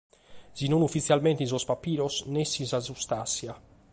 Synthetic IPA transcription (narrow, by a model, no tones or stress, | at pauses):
zinɔnufːit̪sjalmɛnt̪ins̬ɔspapːiːɾɔsnɛsinsazust̪asja